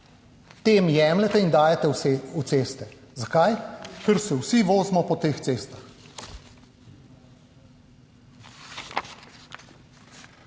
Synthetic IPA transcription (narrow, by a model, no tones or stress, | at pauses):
t̪eːmjɛːmlɛt̪ɛind̪aːjɛt̪ɛuseːst̪ɛzakajkəɾsɛwsiʋoːzmɔpɔt̪eːxt̪seːst̪ax